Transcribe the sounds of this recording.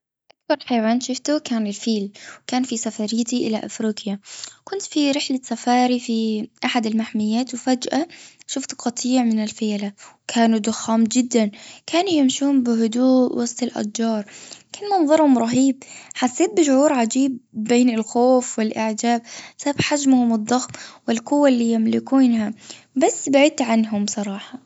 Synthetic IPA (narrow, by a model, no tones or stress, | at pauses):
ʔakbɑɾˤħajawaːnʃʊft̪ʊkaːnɪlfiːlwkaːnfisafaɾɪːt̪iʔɪlaʔa̰fɾiːqjakʊnt̪fiɾɪħlasafaːɾifiʔaħad̪ɪlmaħmɪjːaːt̪wfad͡ʒʔaʃʊft̪qɑt̪ˤiːʕmɪnɪlfeːlawkʰaːnud̪ʊxːaːmd͡ʒɪd̪ːankʰaːnujɪmʃuːmbɪɦʊd̪uːʔwɑsˤt̪ˤɪlʔa̰d̪d͡ʒɑːɾˤkanmɑnðˤɑɾˤhʊmɾˤɑɦiːb̚ħasːeːt̪̚bɪʃʊʕuːɾʕad͡ʒiːbːeːnɪlxoːfwɪlʔɪʕd͡ʒaːbsabħad͡ʒmhʊmɨd̪ˤːɑxmwɪlqʊwːalːiːjɪmlɪkuːnha | basːbaʕid̪̚t̪ʕanɦʊmsˤɑɾˤɑːħɑ